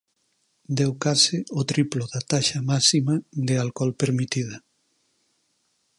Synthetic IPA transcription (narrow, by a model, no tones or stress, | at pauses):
d̪ɛwkasɪot̪ɾiploðat̪aʃamasimad̪ɪalkɔlpeɾmit̪iða